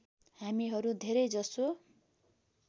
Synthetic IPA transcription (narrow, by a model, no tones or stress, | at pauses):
hamiɦʌɾud̪ʱeɾʌjd͡zʌso